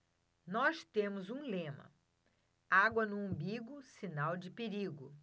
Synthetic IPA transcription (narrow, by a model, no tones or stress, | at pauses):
nɔst̪ẽmʊzũlẽmɐ̰ | aɡwɐnʊõbiɡʊsinawd͡ʒɪpeɾiɡʊ